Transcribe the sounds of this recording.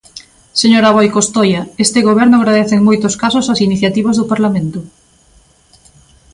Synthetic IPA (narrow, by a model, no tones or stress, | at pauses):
seɲoɾaβ̞ɔjkost̪ojɐest̪ɪɣoβ̞ɛɾnʊɣɾaðeθeŋmojt̪oskasʊsasiniθjat̪iβazðʊpaɾlamẽnt̪ʊ